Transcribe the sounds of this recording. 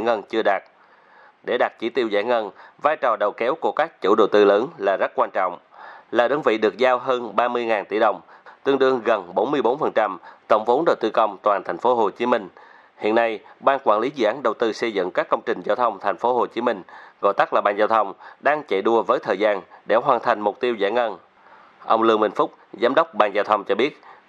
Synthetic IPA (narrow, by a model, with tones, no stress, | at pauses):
ŋə˧nt͡ɕɨ˧əɗaː˨˩t̚ | ɗe˧˩ɗa˨˩t̚t͡ɕi˧˩˦t̪i˧əwza̰ː˧˩jŋə˧nvaː˧jt͡ɕɔ˨˩ɗə˨˩wkɛ˨˦wku˧˩əkaː˦˥k̚t͡ɕṵ˧˥ɗo˨˩wt̪ɨ˧ləː˨˦nlaː˨˩zə˦˥t̚kwaː˧nt͡ɕɔ̰˧˨wŋ͡m | laː˨˩ɗə˨˦nvḭ˧˨ɗɨ˨˩ək̚zaː˧wɦəː˧nɓaː˧mɨ˧əjŋaː˨˩nt̪i˧˩ɗə˨˩wŋ͡mt̪ɨ˧əŋɗɨ˧əŋɣə˨˩nɓo˨˦nmɨ˧əjɓo˨˦nfə˨˩nt͡ɕa˧mt̪ə˧˩wŋ͡mvo˨˦nɗə˨˩wt̪ɨ˧kə˧wŋ͡mt̪waː˨˩nt̪ʰa˨˩jŋ̟fo˨˦ɦo˨˩t͡ɕi˨˦mï˧ŋ̟ | hḭ˧˨ənːa˧jɓaː˧nkwaː˧˩nli˨˦zɨ̰˧˨ʔaː˨˦nɗə˨˩wt̪ɨ˧sə˧jzɨ̰˧˨ŋkaː˦˥kːə˧wŋ͡mt͡ɕï˨˩ŋ̟zaː˧wt̪ʰə˧wŋ͡mt̪ʰa˨˩jŋ̟fo˨˦ɦo˨˩t͡ɕi˨˦mï˧ŋ̟ɣo̰˧˨jt̪a˦˥k̚laː˨˩ɓaː˧˩nzaː˧wt̪ʰə˧wŋ͡mɗaː˧ŋt͡ɕə̰˧˨jɗu˧əvəː˨˦jt̪ʰəː˨˩jzaː˧nɗe˧˩ɦwaː˨˩nt̪ʰa˨˩jŋ̟mʊ˨˩k͡p̚t̪i˧əwza̰ː˧˩jŋə˧n | ʔə˧wŋ͡mlɨ˧əŋmï˧˩ŋ̟fʊ˦˥k͡p̚zaː˨˦mɗə˦˥wk͡p̚ɓaː˧˩nzaː˧wt̪ʰə˧wŋ͡mt͡ɕɔ˧ɓi˦˥ət̚